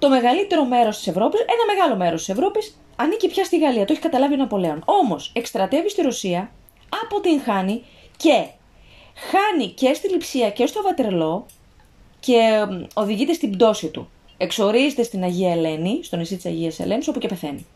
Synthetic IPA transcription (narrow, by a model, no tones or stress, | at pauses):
t̪o̞me̞ɣɐlit̪e̞ɾo̞me̞ɾo̞st̪i̥se̞vɾo̞pise̞nɐme̞ɣɐlo̞me̞ɾost̪ise̞vɾo̞pis | ɐnicipçɐst̪iɣɐliɐt̪oeçi̥kɐt̪ɐlɐvie̞nɐpo̞le̞o̞no̞mo̞se̞kst̪ɾɐt̪e̞vist̪iɾosiɐ | ɐpo̞t̪iŋxɐni | ce̞ | xɐnice̞st̪ilipsiɐce̞st̪o̞vɐt̪eɾlo̞ | ce̞o̞ðiʝit̪est̪ibd̪o̞sit̪ṵ | e̞kso̞ɾizet̪est̪inɐʝiɐele̞nist̪o̞nisit̪isɐʝiɐse̞̰le̞niso̞pucepe̞θe̞nḭ